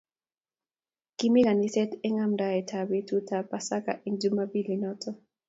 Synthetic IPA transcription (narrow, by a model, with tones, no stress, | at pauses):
ki˦mi˦ka˨ni˦sɛ˦tɛ˦ŋa˦mda˨ɛ˨tʰa˨be˦tu˦ta˨pa˨sa˦ka̰˦˨ʔi˦ŋd͡ʒu˦ma˦bi˦li˨nɔtʰɔ˦